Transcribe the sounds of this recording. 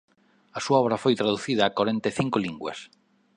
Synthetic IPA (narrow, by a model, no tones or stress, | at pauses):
ɐsuaɔβɾɐfojt̪ɾaðuθiðɐːkaɾẽnt̪eθiŋkʊliŋɡwɐ̰s